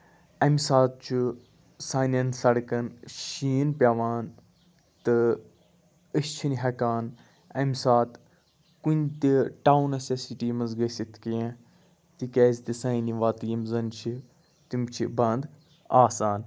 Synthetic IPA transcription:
ɐmʲsaːt̪̚t͡ʃʰu | saːnʲɐnsɐɽkɐnʃiːnpʲjaːʋaːn | t̪ɨ | əst͡ʃʰiniɦɐkaːn | ɐmʲsaːt̪ | kunʲt̪iʈaːwnɐsesiʈiːmɐzɡɐsit̪ʰkijã | t̪ikeːzt̪isaːiniʋaːt̪ɨjimzɐnt͡ʃʰi | t̪imt͡ʃʰibɐnd̪ | aːsaːn

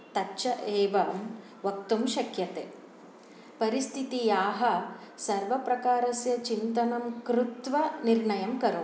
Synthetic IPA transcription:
t̪ɐtːʃɐʔeːʋɐm | ʋɐk̚t̪umʃɐkjɐt̪ḛː | pɐɾist̪ʰit̪ijaːɦɐ | sɐɾʋɐpɾɐkaːɾɐsjɐt͡ʃint̪ɐnɐmkɾut̪ʋɐniɾɳɐjɐmkɐɾu

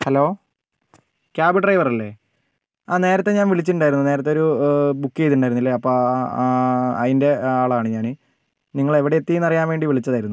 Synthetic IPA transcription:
hɐlo̞ː | kʲaːbiʈrɐjʋɐrɐlːe̞̰ː | aːne̞ːɾɐt̪ːe̞ɲaːnʋiɭit͡ɕːiʈuɳɖaːjiɾunːuneːɾɐt̪ːeo̞ɾubukːjejt̪̬ːuɳɖaːjiunːilːeɐpːoː | ɐðinde̞aːɭaːɳɨɲaːnɨ | niŋːɐɭe̞ʋiɽeet̪ːinɐrijaːnʋe̞ːɳɖiʋiɭit͡ɕːɐðaːjiɾunːu

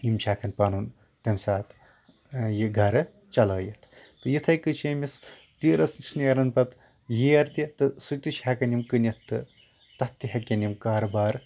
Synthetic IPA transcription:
imt͡ʃʰʲaːkʰɐnpaːnun | t̪ɐmsaːt̪ | jiɡʱɐɾɨ | t͡ʃɐlɐːjɐt̪ʰt̪ɨjit̪ʰɐjkɨt͡ʃʰeːmis | t̪iːɾɐsnt͡ʃʰniɐɾɐnpɐt̪ | jiɐɾt̪it̪ɨsut̪iʃʰʲaːkɐnʲimkɨnɐt̪ʰːɨ | t̪ɐt̪ːiɦɐkʲːɐnimkaːɾbaːɾ

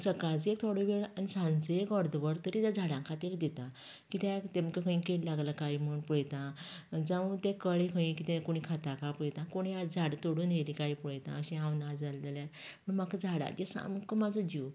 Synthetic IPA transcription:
səkaɭd͡zek̚t̪ʰoɽoʋeɭanisãnt͡səekɔɾd̪əʋəɾt̪əɾit̪jad͡zʱaɽãŋkʰat̪iːɾd̪et̪a | kit̪ɛt̪ẽmkekʰə̃ĩkeʈlaɡlakaim̤əɳpuɭjt̪ãd͡zaʋut̪ɛ̃kəɭekʰəĩkit̪ɛ̃koɽ̃ikʰat̪akapuɭt̪ãkoɽ̃iad͡zʱaɽt̪oɽuːnɦelikaipuɭjt̪ã̰əɕɛ̃ãwnad͡zalela | məɳmakad͡zʱaɽa̰ɡesa̰mkəmad͡zəd͡ʑiu

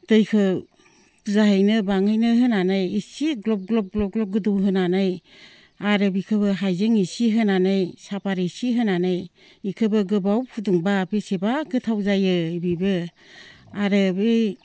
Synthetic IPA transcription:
d̥ɯjkʰɯw | zahɯjnɯbaŋhɯjnɯɦɯnanɯjisiɡlɔp̚ɡlɔp̚ɡlɔp̚ɡlɔp̚ɡɯduwɦɯnanɯj | aɾɯbikʰɯbɯɦajzeŋisiɦɯnanɯjsapʰaɾisiɦɯnanɯj | ikʰɯbɯɡɯbawkʰuduŋbapesebaɡɯtʰawzajɯbibɯ | aɾɯbe

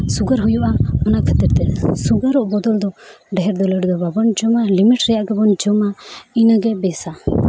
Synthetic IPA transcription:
suɡaɾɦujuʔamɔnakʰat̪iɾt̪ɛsuɡaɾɔʔbɔd̪ɔld̪ɔ | ɖɛɦɛɾd̪ɔlɛɽd̪ɔbabɔnd͡ʒɔmalimiʈɾɛjaʔɡɛbɔnd͡ʒɔmainaɡɛbɛsa

